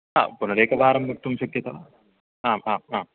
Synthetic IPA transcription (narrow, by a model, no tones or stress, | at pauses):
a̰ːpunɐɾeːkɐʋaːɾɐmbɐk̚t̪umʃɐkjɐt̪ɐʋa | aːmaːmaːm